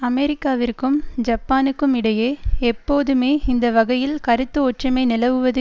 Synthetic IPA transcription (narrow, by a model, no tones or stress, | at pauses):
ɐmɛɾɪkːaːʋɪrkɯmd͡ʒɐpːaːnɯkːɯmɪɽɐjeːɛpːoːðɯmeːɪnd̪ɐʋɐɣɐjɪlkɐɾɯt̪ːɯɔʈrɐmɐɪnɪlɐʋɯʋɐðɯ